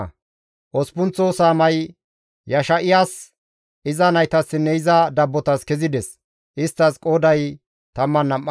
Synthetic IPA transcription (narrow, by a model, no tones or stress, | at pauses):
ʔɔspʊnt͡sːoːsaːmɐj | jɐʃɐʔɪjaːs | ɪzɐnɐjt̪ɐsːɪnːɛɪzɐd̪ɐbːɔt̪ɐskɛzɪd̪ɛs | ʔɪst̪ːɐskʼoːd̪ɐj | t̪ɐmːɐnːɐmːɐ